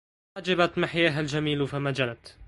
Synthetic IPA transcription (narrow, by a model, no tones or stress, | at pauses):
ad͡ʒabat̪mɪħjaːɦald͡ʒamiːlfamad͡ʒalat̪